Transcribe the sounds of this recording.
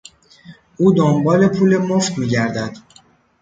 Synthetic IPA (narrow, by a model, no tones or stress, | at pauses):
ʔuːd̪ombɒːle̞pʰuːle̞moft̪miːɟæɾd̪æd̪̥